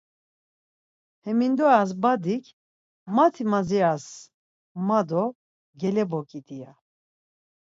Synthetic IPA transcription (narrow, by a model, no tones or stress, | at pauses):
hɛmind̪ɔas̬bad̪ikʰ | mat̪ʰimad͡zias | mad̪ɔ | ɡɛlɛbɔkʼid̪ija